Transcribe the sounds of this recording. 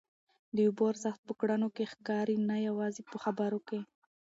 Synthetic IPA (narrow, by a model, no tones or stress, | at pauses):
d̪əuboɾsaxt̪̚pəkɽanokexkɑɾinajawɑzepəxabaɾoke